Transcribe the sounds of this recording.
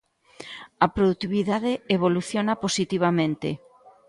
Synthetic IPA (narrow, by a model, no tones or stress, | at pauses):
ɐpɾoðut̪iβiðaðeeβoluθjonaposit̪iβ̞amẽnt̪ḛ